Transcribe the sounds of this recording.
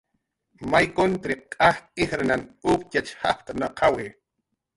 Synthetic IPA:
majkont̪ɾikʼaht̪ʼixɾananʊpcʲat͡ʃha̰pt̪anaqʰawɪ

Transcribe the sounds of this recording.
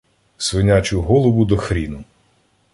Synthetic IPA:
sʋɪnʲat͡ʃʊɦɔlˠɔʋʊd̪ɔxɾʲinʊ

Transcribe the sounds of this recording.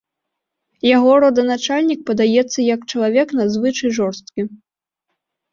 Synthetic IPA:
jaɣɔɾɔd̪ɐnat͡ʂalʲnʲik̚pɐd̪ajɛt̪sːɐjɐkt͡ʂɐlˠavʲɛknazvɨt͡ʂɐjʐɔrst̪kʲi

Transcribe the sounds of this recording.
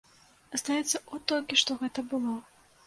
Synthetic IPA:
ɐst̪ajɛt̪sːɐɔt̪ɔlʲkʲiʂt̪ɔɣɛt̪ɐbɨlˠɔ

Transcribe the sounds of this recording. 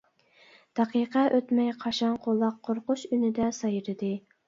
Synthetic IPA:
d̪̥ɑqiqʰɛʔøt̪mɛjqʰɑʃɑɴqʰolˠːɑqʰːoɾqʊʃynɪd̪ɛsɑjɾɨd̪ɨ

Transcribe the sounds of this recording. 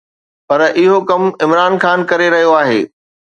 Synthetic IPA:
pɐɾʔɪɦokɐmɪmɾaːnxaːnkɐɾeɾɐɦijoaːɦḛː

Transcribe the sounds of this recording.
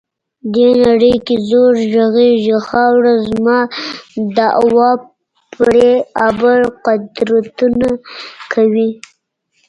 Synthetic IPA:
d̪enaɽəjkezoɾʒaɣeʒexɑwɽazmɑ | d̪əʔa̰wɑ | pɽeabəɾqʊd̪ɾat̪unakʰawi

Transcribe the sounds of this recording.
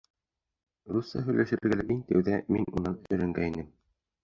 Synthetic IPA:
rusːɑɦɵ̆jlæʃɘ̆ɾɘ̆ɾɡælæmiŋt̪æwðæminunɑnɵ̆ɾɘ̆ŋɡæinɘm

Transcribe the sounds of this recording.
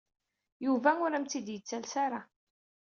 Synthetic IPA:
juvæʊɾæmt͡s̪id̪jət͡sːælsaɾa

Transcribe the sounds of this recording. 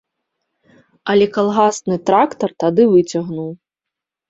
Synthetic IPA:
ɐlʲɛkalˠɣasnɨt̪ɾakt̪ɐrt̪ad̪ɨvɨt͡sʲɐɣnuw

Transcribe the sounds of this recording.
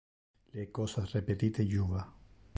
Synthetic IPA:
lekosasrepet̪it̪ejuβa

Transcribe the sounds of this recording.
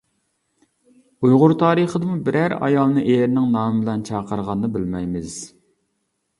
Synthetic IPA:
ujʁʊɾt̪ʰɑːɾəχəd̪ɨmubɪɾæɾɑ̰jɑlˠnɨʔeɾnɪŋnɑːmɨbɪlɛnt͡ʃʰɑːqʰəɾʁɑnːɨbɪlmɛjmɪz̥

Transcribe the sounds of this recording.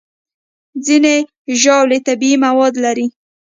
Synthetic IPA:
zine | ʒɑwlet̪abiimawɑd̪laɾi

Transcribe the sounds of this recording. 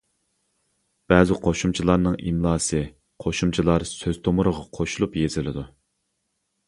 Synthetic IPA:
b̥ɛzɪqʰoʃumt͡ʃʰilˠɑɾnɨŋimlˠɑːsɨ | qʰoʃumt͡ʃʰilˠɑɾsøz̥t̪ʰomʊɾəʁɑqʰoʃulˠupjez̥ɪlɪd̪u

